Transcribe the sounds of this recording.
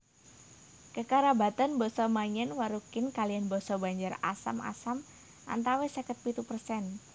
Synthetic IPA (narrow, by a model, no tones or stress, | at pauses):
kəkaɾabat̪anbɔsɔmaɲɛnwaɾukɪnkalijanbɔsɔbaɲd͡ʒara̰sa̰mʔa̰sam | ʔa̰nt̪awesəkət̪̚pit̪upərsɛn